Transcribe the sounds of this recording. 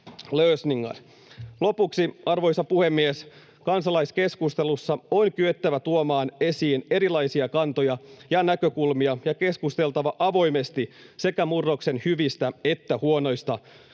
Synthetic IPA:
løːsniŋːɑ̰l | lo̞puksiɑrʋo̞jsɑpuhe̞mːies | kɑnsɑlɑjske̞skust̪e̞lusːɑonkyøt̪ːæʋæt̪uomɑːne̞siːne̞ɾilɑjsiɑkɑnt̪o̞jɑjɑnækø̞kulmiɑjɑke̞skust̪e̞lt̪ɑʋɑʔɑʋo̞jme̞st̪ise̞kæmurːo̞kse̞nhyʋist̪æe̞t̪ːæhuo̞no̞jst̪ɑ

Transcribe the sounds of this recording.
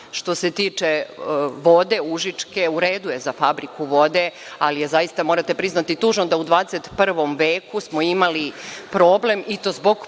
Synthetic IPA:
ʃt̪o̞se̞t̪iːt͡ʂe̞ʋo̞d̪e̞uʒit͡ʂke̞uɾeːd̪uje̞zafabɾikuʋo̞d̪e̞ | alije̞zajist̪amo̞ːɾat̪e̞pɾiznat̪it̪uːʒnod̪aud̪ʋaːd̪eset̪pr̩ʋo̞mʋeːkusmo̞imalipɾoːble̞mit̪oːzbo̞ɡ

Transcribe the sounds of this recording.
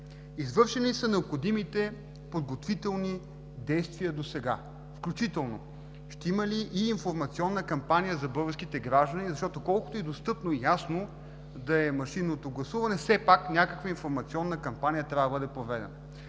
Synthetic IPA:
izvɤɾʃɛnisɐnɛopxod̪imit̪ɛ | pod̪̚ɡot̪vit̪ɛlˠni | d̪ɛjst̪viəd̪osɛɡa̰ | fklʲut͡ʃit̪ɛlˠno | ʃt̪ɛimɐliʔːnfoɾmɐt̪siɔnːəkɐmpanijəzɐbɤɡəɾsk̟it̪ɛɡɾaʒd̪ənizɐʃt̪ɔt̪okɔlˠkʊt̪oɛd̪ost̪ɤpnojasno | d̪ɐɛmɐʃinːot̪oɡlˠɐsuvɐnɛfsɛpaknʲakəkvɐinfoɾmɐt̪siɔnːəkɐmpanijət̪ɾʲavd̪bɤd̪ɛpɾovɛd̪ɛ̰nə

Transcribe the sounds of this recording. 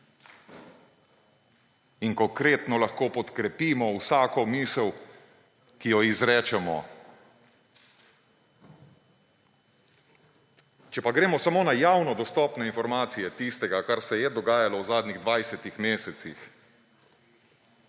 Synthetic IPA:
inkɔŋkɾeːt̪nɔlaxkoːpɔt̪kɾɛpiːmɔwsaːkɔmiːsəw | kijɔizɾɛːt͡ʃɛmɔ̰ | t͡ʃɛpaɡɾeːmɔsamoːnajawnɔd̪ɔst̪ɔːpnɛinfɔɾmaːt̪sijɛt̪ist̪ɛɡakaɾsɛjɛd̪ɔɡaːjalɔwzaːd̪niɣd̪ʋajsɛt̪ixmeːsɛt̪sḭx

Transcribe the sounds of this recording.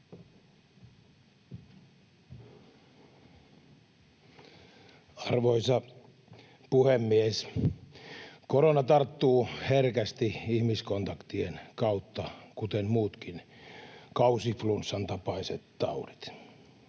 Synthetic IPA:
ɑrʋoisɑ | puhemːies | koɾonɑt̪ɑrt̪ːuːherkæst̪iihmiskont̪ɑkt̪ienkɑut̪ːɑkut̪emmuːt̪kin | kɑusiflunsːɑnt̪ɑpɑiset̪t̪ɑ̰urit̪

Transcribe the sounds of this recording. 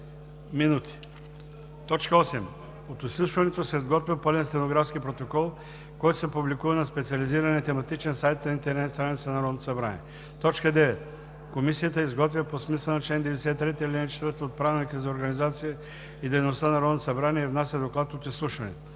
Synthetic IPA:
minut̪ʰi̥ | t̪ɔt͡ʃkəɔsɛm | ot̪islˠuʃvɐnɛt̪osɛd̪ɡɔt̪vʲɐpəlɛnst̪ɛnoɡɾafskʲipɾot̪okɔlˠ | kɔjt̪o̥sɛpublikuvɐnɐspɛt̪siɐliziɾɐnɛit̪ɛmɐt̪it͡ʃɛnsajt̪nɐint̪ɛɾnɛt̪st̪ɾanit̪sɐnɐɾɔd̪not̪o̥sɐbɾa̰nḭɛ | t̪ɔt͡ʃkəd̪ɛvɛt̪̚ | komisijət̪əizɡɔt̪vʲɐposmisɐnɐt͡ʃlɛnd̪ɛvɛd̪ɛsɛt̪t̪ɾɛt̪ilinat͡ʃɛt̪vəɾt̪ot̪̚pɾavɛnikəzɐoɾɡɐnizat̪sijə | id̪ɛjnost̪anɐɾɔd̪nt̪osɐbɾaniɛivnasʲɐd̪oklˠat̪ot̪islˠuʃvɐnɛ̰t̪o

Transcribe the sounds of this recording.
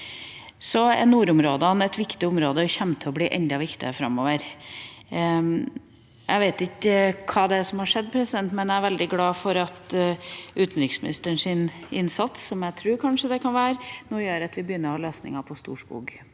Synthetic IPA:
sɔɛ̰nuːɾʊmɾoːd̪əɑnɛt̪ʋɪkt̪ɪʊmɾoːd̪əɔçɛmt̪ʰəɔbliːʔɛnd̪ɑʋɪkt̪ɪəfɾɑ̰mːoːʋəɾ | æɪʋeɪt̪ɪkːəkʰɑːd̪ɛsɔmhɑʂɛd̪ːpʰɾɛsɪd̪ɛnt̪mɛnææɾʋɛld̪ɪɡlɑːfɔɾɑt̪ | ʉːt̪n̩ɾɪksmɪnɪst̪əɳʂɪnɪnsɑt̪sːɔmjæt̪ʰɾʉːɾkʰɑnʂəd̪ɛkʰɑnʋæːɾnoːjøːɾɑt̪ʋɪbəjʏnːəɾɔhɑːløːsnɪ̰ŋɑpʰɔst̪ṵːʂkṵːɡ

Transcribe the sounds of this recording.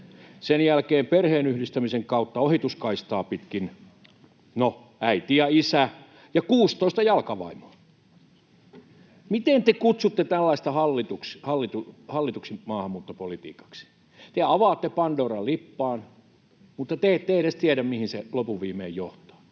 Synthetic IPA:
senjælkeːmperheːnyhdist̪æmiseŋkɑut̪ːɑohit̪uskɑist̪ɑːpit̪kin | no | æit̪ijɑisæ | jɑkuːst̪oist̪ɑjɑlkɑʋɑ̰imo̥ː | mit̪eˑnt̪ekut̪sut̪ːet̪ælːɑist̪ɑhɑlːit̪ukshɑlːit̪uhɑlːit̪uksimɑːhɑmːuːt̪ːopolit̪ḭːkɑ̥ksi̥ | t̪eɑʋɑːt̪ːepɑndoːrɑlipːɑːn | mut̪ːɑt̪eːtt̪eˑeɾest̪iæɾæmmihinselopuʋʋiːmˑḛːjjo̰ht̪o̥ː

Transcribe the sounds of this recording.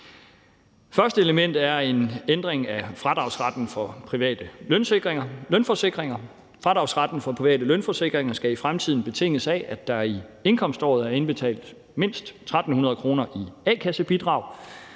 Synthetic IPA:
fɶɐsd̥əe̝ləmen̰d̥æɐe̝nend̥ʁeŋæfʁad̥ʁɑ̈ʊsʁɑd̥n̩fɒ̽pʰʁiʋɛ̰ːd̥əlønseɡ̥ʁeŋɐlønfɒ̽se̝ɡ̥ʁeŋɐ | fʁɑ̈d̥ʁɑ̈ʊsʁɑd̥n̩fɒ̽pʰʁiʋɛ̰ːd̥əlønfɒ̽se̝ɡ̥ʁeŋɐsɡ̥æifʁamt͡sʰið̞̰ˠn̩b̥e̝t͡sʰe̝ŋ̰əsæʔæd̥ɑ̈ie̝nkʰɒ̽m̰sd̥ɒ̰ːð̩ˠæɐe̝nb̥e̝t͡sʰɛ̰ːld̥ | me̝n̰sd̥t͡sʰʁad̥n̩hunɐð̞̩ˠkʰʁo̝ːnɐʔiɛːkʰæsəb̥id̥ʁɑ̈ʊ̰

